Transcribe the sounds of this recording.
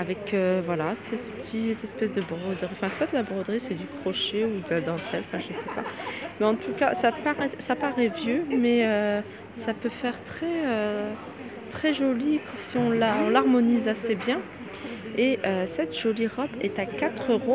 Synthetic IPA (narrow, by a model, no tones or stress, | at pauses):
avɛkʰøvwalasɛsəpə̥t̪ʰit̪ɛspɛs̬d̪əbʁɔd̪ʁiɑ̃fɛ̃sɛpt̪ɛt̪əlabʁɔd̪ʁisɛd̪ykχɔʃeud̪əlad̪ɑ̃t̪ʰɛlɑ̃fɛ̃ʒəsɛpa̰mɛɑ̃t̪ukasapaʁɛsapaʁɛvjømɛø | sapøfɛʁt̪χɛø | t̪χɛʒɔlikɔsiɔ̃laɔ̃laʁmɔnizasebjɛ̃ | eʔøsɛt̪ʒ̥ɔliʁɔbɛt̪akat̪χøʁo